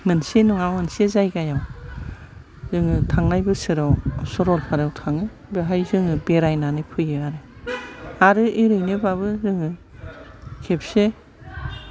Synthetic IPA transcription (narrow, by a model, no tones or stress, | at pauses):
mɯnsenuŋawmɯnsezajɡajaw | zɯŋɯtʰaŋnajbɯsɯɾawsɔɾɔlpʰaɾawtʰaŋɯ | bɯɦajzɯŋɯbeɾajnanɯpʰɯjɯaɾɯ | aɾɯiɾɯjnɯbaβɯzɯŋɯ | kʰep̚se